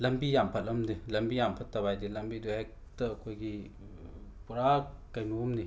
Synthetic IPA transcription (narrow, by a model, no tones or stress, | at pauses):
lɐmbijampʰɐt̚lɐmdilɐmbijampʰɐt̚ːɐbajdilɐmbiduɛk̚ | tɐkʰojɡi | puɾakɐjnumni